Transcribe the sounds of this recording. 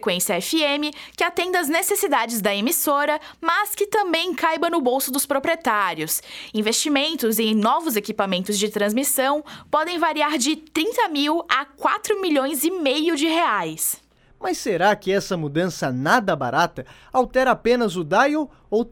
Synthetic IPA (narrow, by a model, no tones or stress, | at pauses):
kwẽsiɐɛfiẽmɪkɪat̪ẽnd̪ɐɐznesesid̪ad͡ʒɪzd̪ɐemisoɾɐ | mɐskɪt̪ɐ̃mbẽj̃kajbɐnʊbowsʊd̪ʊspɾopɾiet̪aɾjʊsĩvest͡ʃimẽnt̪ʊzẽj̃nɔvʊzekipamẽnt̪ʊzd͡ʒɪt̪ɾɐ̃zmisɐ̃w̃pɔd̪ẽj̃vaɾiaɾd͡ʒɪt̪ɾĩnt̪ɐmiwakwat̪ɾʊmiʎõj̃zɪmejʊd͡ʒɪɦeajs | mɐsːeɾakɪɛsɐmud̪ɐ̃sɐnad̪ɐba̰ɾat̪ɐ | awt̪ɛɾɐapẽnɐzʊd̪ajo | o